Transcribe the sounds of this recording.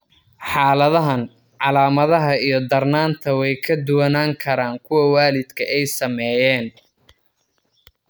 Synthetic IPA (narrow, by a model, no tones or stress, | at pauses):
ħɑːlɐðɐɦɐn | ʕɑlaːmɐðɐɦɐijɞd̪ɐrnaːnt̪ʰɐwɛjkʰɐd̪ʊwɐnaːŋkʰɐɾaːŋkʰʊwɐwaːlɪd̪kʰɐʔɛjsɐmɛjɛːn